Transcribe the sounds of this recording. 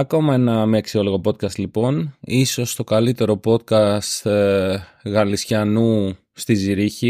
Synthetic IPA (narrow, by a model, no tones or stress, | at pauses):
ɐko̞mɐenɐmeeksio̞loɣo̞po̞t̪kɐst̪lipo̞niso̞st̪o̞kɐlit̪e̞ɾo̞po̞t̪̚kɐst̪ | ɣɐlisçɐnu | st̪iziɾiçi